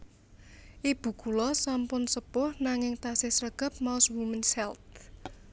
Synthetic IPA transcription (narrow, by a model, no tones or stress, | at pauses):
ʔib̥ṳɡ̥ulɔsampʊnsəpʊhnaŋɪŋt̪asɪsɾəɡ̥ə̤p̚maʊswumənsɛlt̪̚